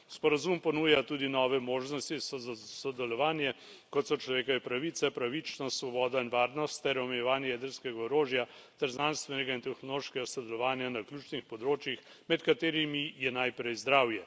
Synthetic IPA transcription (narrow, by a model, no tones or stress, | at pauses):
spɔɾazumpɔnuːjat̪uːd̪inɔʋɛmoːʒnɔst̪isɔsɔd̪ɛlɔʋaːnjɛ | kɔt̪sɔt͡ʃlɔʋeːkɔʋɛpɾaʋit̪sɛpɾaʋit͡ʃnɔst̪sʋɔbɔːd̪ainʋaːɾnɔst̪ːɛɾɔmɛjɛʋaːnjɛjɛd̪əɾskɛɡaɔɾoːʒjat̪ɛɾznanst̪ʋɛnɛɡaint̪ɛxnɔloʃkɛɡasɔd̪ɛlɔʋaːnjanaklʲuːt͡ʃnixpɔd̪ɾoːt͡ʃjix | mɛt̪kat̪eːɾimijɛnajpɾɛjzd̪ɾaːwjɛ